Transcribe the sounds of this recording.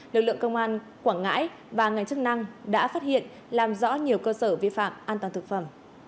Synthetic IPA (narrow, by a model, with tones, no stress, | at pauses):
lɨ˨˩k̚lɨ̰˧əŋkə˧wŋ͡mʔaː˧n | kwaː˧˩ŋŋa̰ː˧˥j | vaː˨˩ŋa˨˩jŋ̟t͡ɕɨ˦˥k̚na˧ŋɗa̰ː˧˥faː˦˥t̚hḭ˧˨ən | laː˨˩mzɔ̰˧˥ɲi˨˩əwkəː˧səː˧˩vḭ˧˨fa̰ː˧˨mʔaː˧nt̪wa˨˩t̪ɨ˨˩k̚fə˧˩m